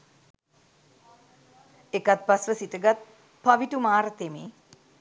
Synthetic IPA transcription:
ekat̪̚pasʋəsitəɡat̪̚ | paʋiʈumaːɾət̪emeː

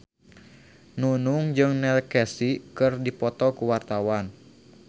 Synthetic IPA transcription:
nunuŋd͡ʒɨŋnɛlkɛsikɨrdipɔt̪ɔkuwart̪awan

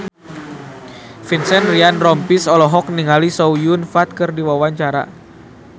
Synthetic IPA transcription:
finsɛnrianrɔmpisɔlɔɦɔk̚niŋalisɔujunfat̪̚kɨrdiwawaɲt͡ʃaɾa̰

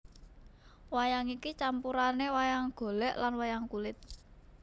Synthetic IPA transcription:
wajaŋikit͡ʃampuɾanewajaŋɡ̥o̤lɛʔlanwajaŋkulɪt̪̚

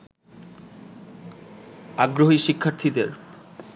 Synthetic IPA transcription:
aɡɾoɦiʃikʰːaɾt̪ʰid̪eɾ

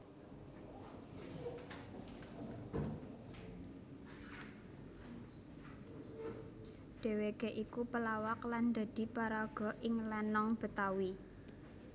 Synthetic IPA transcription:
ɖ̥e̤wekeʔikupəlawakland̪a̤d̪̥i̤paɾaɡ̥ɔ̤ʔɪŋlɛnɔŋb̥ə̤t̪awi

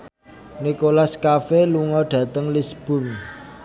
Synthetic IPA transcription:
nikolaskafeluŋɔɖ̥ä̤t̪əŋlisb̥ʊ̤ŋ

